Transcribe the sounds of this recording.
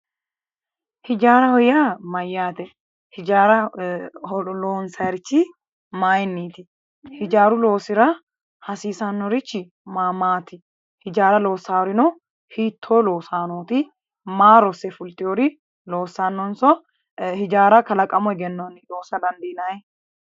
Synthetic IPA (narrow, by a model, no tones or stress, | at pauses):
hɪd͡ʒaːɾɐhɔjaːmɐjːaːt̪ɛ | hɪd͡ʒaːɾɐ | ɔloːnsɐɛɾt͡ʃːɪ | maːjɪnːiːt̪ɪ | hɪd͡ʒaːɾʊlo̞ːsɪɾɐ | hɐsiːsanːɔɾɪt͡ʃːɪ | maːmaːt̪ɪ | hɪd͡ʒaːɾɐlo̞ːsːaːɾɪnɔ | hiːt̪ʰːoːloːsaːnoːt̪ɪ | maːɾɔsɛfʊlt̪ʼːɪjɔɾɪ | lo̞ːsːaːnːɔnsɔ | hɪd͡ʒaːɾɐkɐlɐkʼːɐmɔɡɛnːɔnɪᶑoːsɐd̪ɐnd̪ɪːnaj